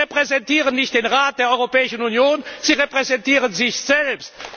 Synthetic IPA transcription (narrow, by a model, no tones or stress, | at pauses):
epʁ̥ɛzɛntiːʁənːɪçt̚d̥eːnʁaːt̚d̥eːɐɔʏʁopɛːɪʃn̩unjoːnz̥iːʁepʁ̥ɛzɛntiːʁənzɪçz̥ɛlpst